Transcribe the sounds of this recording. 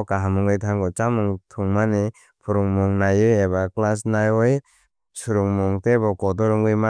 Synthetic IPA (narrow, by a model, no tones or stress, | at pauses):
kaɦamɯŋɯjtʰaŋɡɔt͡ʃamɯŋtʰuŋmani | pʰuɾuŋmuŋnajɯjeβaklas̬najɔj | suɾuŋmuŋtebɔkɔdɔɾɯŋɯjma